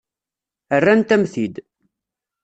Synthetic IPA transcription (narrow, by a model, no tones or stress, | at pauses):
ərːænt̪æmθid̪